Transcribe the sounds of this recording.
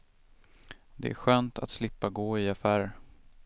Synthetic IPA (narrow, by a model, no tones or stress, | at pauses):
d̪ɛ̰ʔæ̰ɾɧøːnt̪ʰa̰t̪slɪpːaɡoːɪafæːɾ